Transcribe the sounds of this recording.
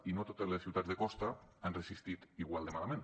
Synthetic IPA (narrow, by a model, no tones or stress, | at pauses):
inot̪ot̪ezlesθiwt̪ad͡zðekɔst̪aanresist̪it̪iɣwald̪emalamẽn